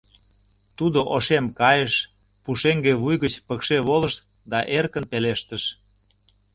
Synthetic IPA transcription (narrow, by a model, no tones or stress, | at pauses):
t̪ud̪oʔoʃemkɑjəʃ | puʃeŋɡeβujɣət͡ɕpəkʃeβoləʃ | d̪ɑʔerkənpeleʃt̪əʃ